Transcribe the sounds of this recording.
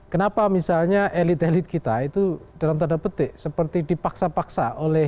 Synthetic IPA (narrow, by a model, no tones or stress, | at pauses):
kənapamisalɲaʔelɪt̪elɪt̪̚kit̪ait̪ud̥alamt̪ədapət̪̚ɪsəpərt̪idipaksapaksa̰ʔolɛh